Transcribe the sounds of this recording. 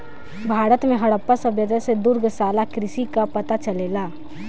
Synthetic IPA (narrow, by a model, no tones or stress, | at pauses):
bʱaːɾət̪mẽɦɐɽəpːasɐbjət̪əsed̪ʊɾɡsaːlakɾɪʃikapɐt̪at͡ʃɐleːlaː